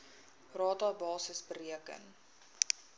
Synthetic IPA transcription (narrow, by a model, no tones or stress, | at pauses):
rɑːtɑːbɑːsəsbəɾiəkə̰n